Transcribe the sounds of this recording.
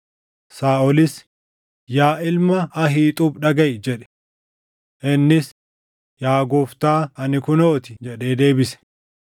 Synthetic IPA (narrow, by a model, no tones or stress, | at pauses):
saːʔɔlɪs | jaːʔɪlmɐɐɦiːt̪ʼuːbɗɐɡɐjd͡ʒɛᶑɛ̥ | ʔɪnːɪs | jaːɡɔːft̪aːɐnɪkʊnoːt̪ɪd͡ʒɛᶑeːd̪e̞ːbɪsɛ̥